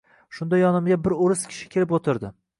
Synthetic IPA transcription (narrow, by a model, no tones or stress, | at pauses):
ʃʊnd̪ajɒnɪmɡʲabɪɾoɾɪskʲʰɪ̥ʃɪ̥kʲʰe̞lɪpot̪ʰɪɾd̪ɪ